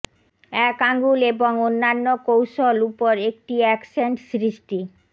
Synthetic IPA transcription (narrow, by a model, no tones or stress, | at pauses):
ɛkaŋɡuleboŋonːanːokowʃolupoɾek̚ʈiɛkseɳʈsɾiʃʈi